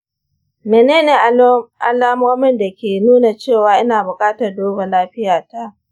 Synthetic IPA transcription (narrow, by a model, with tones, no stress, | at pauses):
meː˨neː˦neː˨ʔʔa˨laː˦moː˦mɪ˦nda˨kʲeː˨nuː˦na˨t͡ʃeː˦˨waː˨ʔɪ˦naː˨bʊ˨kʼaː˦tɐ˨rdoː˦ba˨laː˦ɸɪ˦jaː˨ta˦ʔ